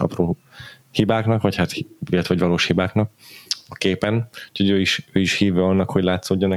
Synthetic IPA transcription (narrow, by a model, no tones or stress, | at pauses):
ɒ̰proː | hibaːknɒkʋɒchat̪hilɛt̪ɛɒɟʋɒloːʃhibaːknɒk̚ɒkeːpɛnu̥choɟøːiʃøːiʃhiːvɛɒnːɒkho̞ɟlaːt̪soːɟːonɛ